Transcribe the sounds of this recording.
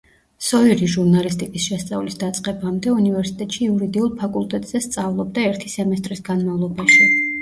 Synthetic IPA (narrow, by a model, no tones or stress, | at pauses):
sɔiɾiʒuɾnalist̪ʼikʼisʃɛst̪sʼa̰vlisd̪at̪sʼqʼɛbamd̪ɛunivɛɾsi̥t̪ʼɛt̪ʼʃiuɾid̪iulˠpʰakʼulˠt̪ʼɛt̪ʼz̥ɛst̪sʼavlˠɔbd̪aɛɾt̪ʰisɛmɛst̪ʼɾisɡanmavlˠɔbaʃi